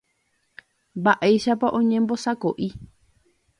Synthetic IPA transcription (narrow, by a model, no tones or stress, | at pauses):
mbaʔejʃapaʔõɲẽmbosakoʔi